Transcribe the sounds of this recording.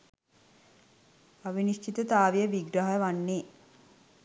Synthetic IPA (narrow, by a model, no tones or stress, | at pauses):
aʋiniʃt͡ʃit̪ət̪aːʋijəʋiɡɾaɦəʋanːeː